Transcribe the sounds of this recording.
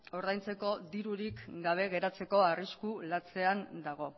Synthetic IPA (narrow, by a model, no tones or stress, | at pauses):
o̞ɾðajnt͡se̞ko̞d̪iɾuɾikɡaβ̞e̞ɣe̞ɾat͡se̞ko̞ariskulat͡se̞and̪aɣ̞o̞